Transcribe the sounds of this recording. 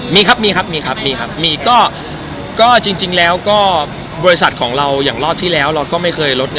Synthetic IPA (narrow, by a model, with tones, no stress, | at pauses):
miː˧kʰa˦˥p̚miː˧kʰa˦˥p̚miː˧kʰa˦˥p̚miː˧kʰa˦˥p̚miː˧kɔː˥˩ | kɔː˥˩t͡ɕi˧ŋt͡ɕi˧ŋlɛː˦˥wkɔː˥˩ | bɔː˧ɾi˦˥s̬a˨˩t̪̚kʰɔː˩˦ŋɾa˧wjaː˨˩ŋɾɔː˥˩p̚t̪ʰiː˥˩lɛː˦˥wɾa˧wkɔː˥˩ma˥˩jkʰɤː˧jlo˦˥t̪̚